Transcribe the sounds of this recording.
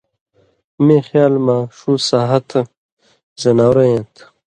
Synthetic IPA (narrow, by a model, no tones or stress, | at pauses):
mẽːxjaːlmãʂusaːɦɐt̪ʰ | zɐnaːwɾɐjẽnt̪ʰ